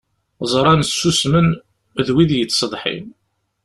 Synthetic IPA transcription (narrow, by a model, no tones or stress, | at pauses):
zˤɾˤɑnəsːusmən | ðwiðjət͡sːsəd̪ˤħḭn